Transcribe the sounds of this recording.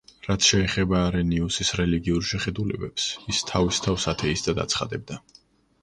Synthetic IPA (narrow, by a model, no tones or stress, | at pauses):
ɾat̪sʰʃɛːχɛbaːɾɛniusisɾɛliɡiuɾʃɛχɛd̪ulɛbɛpsist̪ʰavist̪ʰavsat̪ʰɛisd̪ad̪a̰t̪sʰχa̰d̪ɛb̚d̪a